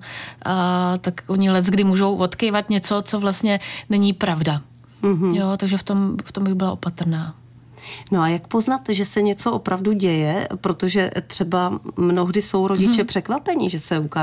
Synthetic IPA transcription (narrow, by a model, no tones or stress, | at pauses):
ʔat̪akʔoɲɪlɛzɡdɪmuːʒo̞wvo̞t̪kejvat̪ɲɛt͡so̞t͡so̞vlast̪ɲɛnɛɲipɾavda | m̩ɦ̩jot̪aɡʒɛft̪o̞mft̪ombɪɣbɪlaʔo̞pat̪r̩naː | noajakpoznat̪ʒɛsɛɲɛt͡soʔopɾavduɟɛjɛpɾot̪oʒɛt̪r̥ɛbamnoɣdɪso̞wɾoɟɪt͡ʃɛpr̝̥ɛkvapɛɲɪʒɛsɛukaː